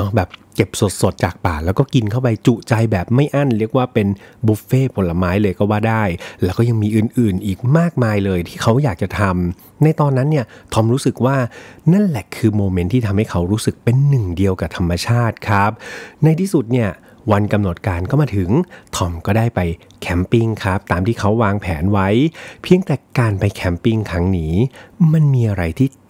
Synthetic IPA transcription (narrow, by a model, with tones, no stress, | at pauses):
nɔ˦˥bɛː˨˩p̚ke˨˩p̚so˨˩t̪̚so˨˩t̪̚t͡ɕaː˨˩k̚paː˨˩lɛː˦˥wkɔː˥˩ki˧nkʰa˥˩wpa˧jt͡ɕu˨˩t͡ɕa˧jbɛː˨˩p̚ma˥˩jʔa˥˩nɾi˥˩ək̚waː˥˩pe˧nbuː˦˥k̚feː˥˩pʰo˨˦nla˧maː˦˥jlɤː˧jkɔː˥˩waː˥˩daː˥˩jlɛː˦˥wkɔː˥˩ja˧ŋmiː˧ʔɯː˨˩nʔɯː˨˩nʔiː˨˩k̚maː˥˩k̚maː˧jlɤː˧jt̪ʰiː˥˩kʰa˦˥wjaː˨˩k̚t͡ɕa˨˩t̪ʰa˧m | na˧jt̪ɔː˧nːa˦˥nːi˥˩ət̪ʰɔ˧mɾu˦˥sɯ˨˩k̚waː˥˩na˥˩nlɛ˨˩kʰɯː˧moː˧me˦˥nt̪ʰiː˥t̪ʰa˧mha˥˩jkʰa˦˥wɾuː˦˥sɯ˨˩k̚pe˧nːɯ˨˩ŋdi˧əwkaː˨˩t̪ʰa˧mːa˧t͡ɕʰaː˥˩t̪̚kʰɾa˦˥p̚na˧jt̪ʰiː˥˩su˨˩t̪̚ni˥˩ɐ | wa˧nka˧mno˨˩t̪̚kaː˧nkɔː˥˩maː˧t̪ʰɯ˩˦ŋt̪ʰɔ˧˩mkɔː˥˩daː˥˩jpa˧j | kʰɛ˦˥mpi˧ŋkʰa˦˥p̚t̪aː˧mt̪ʰiː˥˩kʰa˦˥wːaː˧ŋpʰɛː˩˦nwa˦˥jpʰi˧əŋt̪ɛː˨˩kaː˧npa˧jkʰɛ˦˥mpi˧ŋkʰɾa˦˥ŋniː˦˥ma˧nmiː˧ʔa˧ɾa˧jt̪ʰiː˥˩